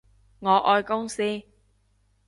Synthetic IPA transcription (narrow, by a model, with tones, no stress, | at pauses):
ŋɔː˨˧ʔɔː˧jkʊ˥ŋsiː˥